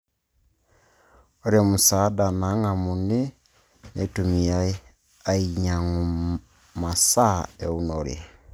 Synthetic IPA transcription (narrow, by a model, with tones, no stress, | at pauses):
o˦ɾe˦mu˨sa˨˦da˨na˨˦ŋa˨mu˨ne˦ | ne˨tu˨mi˨a˦ | a˦i˨ɲa˨ŋu˨ | ma˨sa˦e˨u˦noɾḛ˨